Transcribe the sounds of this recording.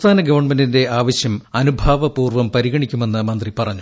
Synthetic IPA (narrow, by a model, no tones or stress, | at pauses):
t̪ʰaːnɐɡɐʋɐrɳmendinde̞aːʋɐɕjɐmɐnubʱaːʋɐpuːrʋɐmpɐɾiɣɐɳikʲːume̞nːɨmɐnd̪ripɐrɐɲːu